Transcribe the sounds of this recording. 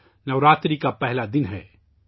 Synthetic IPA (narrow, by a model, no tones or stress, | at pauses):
nɐʋɾaːt̪ɾikapɛɦlad̪ɪnɦɛ̰ː